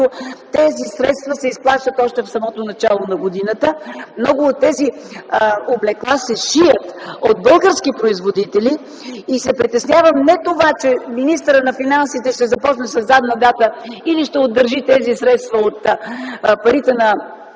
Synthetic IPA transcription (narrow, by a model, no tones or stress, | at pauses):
ot̪ɛzisɾɛt̪st̪vɐsɛisplˠaʃt̪ət̪ɔʃt̪ɛfsɐmɔt̪onɐt͡ʃalˠonɐɡod̪inət̪əmnɔɡʊːt̪ːɛzi | oblɛklˠasɛʃijət̪od̪̚bɤlˠɡəɾskipɾoizvod̪it̪ɛliː | sɛpɾit̪ɛsnjavəmnɛt̪ovat͡ʃɛminist̪əɾənɐfinansit̪ɛʃt̪ɛzɐpɔt͡ʃnɛsɐzd̪ad̪nɐd̪at̪əiliʃt̪ɛod̪ːəɾʒit̪ɛzisɾɛt̪st̪vɐot̪ | pɐɾit̪ɛnɐ